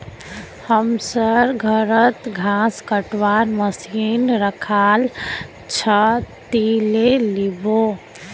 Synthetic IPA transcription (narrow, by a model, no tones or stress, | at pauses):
həmsəɾɡʱəɾət̪ɡʱãskəʈwaɾməsinɾəkʰal | t͡ʃʰət̪ilelibo